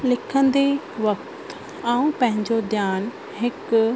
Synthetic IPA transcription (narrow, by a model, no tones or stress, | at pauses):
lɪkʰə̃nd̪e | ʋɐk̚t̪ | aːũpɐ̃ɦɪ̃ɲd͡ʑod̪jaːn | ɦɪk